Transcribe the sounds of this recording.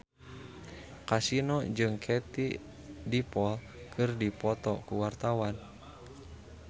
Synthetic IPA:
kasinɔd͡ʒɨŋkʰɛt̪i | dipɔl | kʰɨrdipɔt̪ɔkuwart̪awan

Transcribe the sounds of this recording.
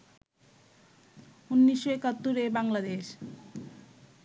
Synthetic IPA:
unːiʃːoekat̪ːoɾebaŋlad̪eʃ

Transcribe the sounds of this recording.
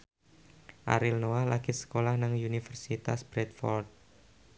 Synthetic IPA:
ʔa̰ɾilnoalaɡ̥isə̥kolahnaŋunifərsit̪asb̥ɾɛt̪̚fɔ̰rt̪̚

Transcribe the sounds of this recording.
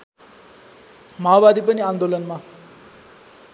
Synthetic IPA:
mawbad̪ipʌniand̪olʌnma

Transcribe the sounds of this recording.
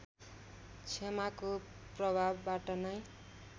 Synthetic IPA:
t͡sʰemako | prʌbʱabːaʈʌnʌj

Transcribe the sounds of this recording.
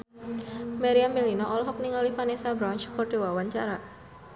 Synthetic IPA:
maɾiambelinɔʔɔlɔɦɔk̚niŋalifanesabɾant͡ʃkɔrd̥ewawaɲt͡ʃaɾa

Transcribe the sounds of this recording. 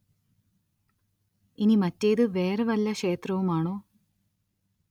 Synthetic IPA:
inimɐtːejd̪ɨʋeːɾɐʋɐlːɐʂeːt̪rɐʋumaːɳoː

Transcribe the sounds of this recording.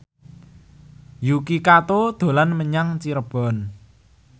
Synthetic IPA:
jukikat̪od̪̥o̤lanməɲaŋt͡ʃiɾəb̥ɔ̤n

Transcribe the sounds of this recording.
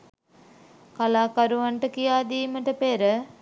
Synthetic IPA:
kalaːkaɾuʋaɳʈəkijaːd̪iːməʈəpeɾə

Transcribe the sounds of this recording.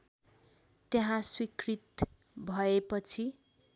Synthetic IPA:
t̪jeɦãswikrit̪ | bʱʌepʌt͡sʰi

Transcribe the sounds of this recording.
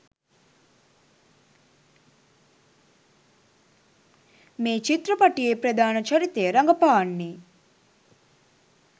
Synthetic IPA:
meːt͡ʃit̪ɾɐpɐʈijeːpɾɐd̪aːnɐt͡ʃɐɾit̪ːejəɾɐŋɡɐpaːnːiː

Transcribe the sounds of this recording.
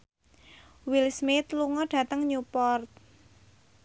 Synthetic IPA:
wilsmit̪luŋɔɖ̥ä̤t̪əŋɲupɔrt̪̚

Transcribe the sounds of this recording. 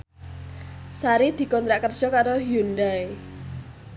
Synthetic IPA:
saɾid̪̥i̤kɔnt̪ɾaʔkərd̥ʒ̥ɔ̤kaɾoɦjundae

